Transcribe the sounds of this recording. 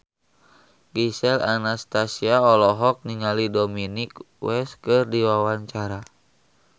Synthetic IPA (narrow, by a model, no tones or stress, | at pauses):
ɡisɛlanast̪asiaɔlɔɦɔk̚niŋalidominik | wɛskɨrdiwawaɲt͡ʃaɾa